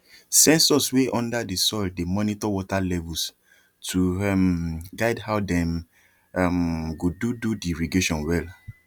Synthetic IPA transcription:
sɛ̃nsɔsweʔɔ̃ndadisɔldemɔnitɔwɔtalɛvus | tʰuɛmɡaɪdhaʊdɛ̃m | amɡodududiɹiɡeʃɔ̃nwɛl

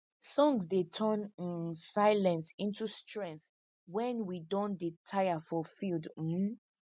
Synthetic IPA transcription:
sɔ̃ŋzdetʰɜnĩnsaɪlɛ̃nsĩntustɹɛ̃ŋk̚θ | wɛ̃nwidɔ̃nditʰaɪafɔfild̩

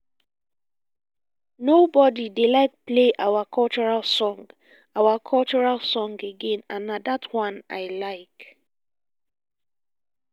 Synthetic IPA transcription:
nobɔdidelaɪk̚pleʔawakʰɔlt͡ʃɔɹalˠsɔ̃ŋɡ | awakʰɔlt͡ʃɔɹalsɔ̃ŋɡeɡẽnãnːadatʰwãnaɪlaɪk

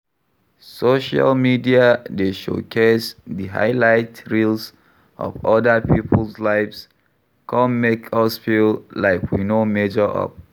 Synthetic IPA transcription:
soʃa̰lmidiadeʃo̰kʰesdiɦa̰ɪlaɪtɹils | ʔɔ̰vɔdəpʰipʰəlslaɪvs | kʰɔ̃nmekʰɔsfillaɪkwḭnomed͡ʒəʔɔ̰p̚

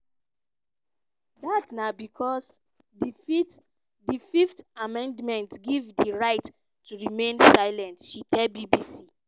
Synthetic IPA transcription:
datnabikʰɔs | dififtamɛ̃ndmɛ̃ntɡivdiɹaɪt | tːuɹimẽnsaɪlɛ̃ntʃitɛlbibisi

